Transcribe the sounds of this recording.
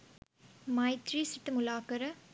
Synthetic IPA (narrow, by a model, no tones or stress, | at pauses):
mɐɪt̪ɾisɪʈːɨmʊlaːkɐɾɐ